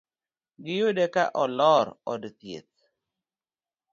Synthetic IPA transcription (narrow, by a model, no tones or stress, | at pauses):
ɡɪjodekaʔɔlɔɾɔdt̪jḛt̪̚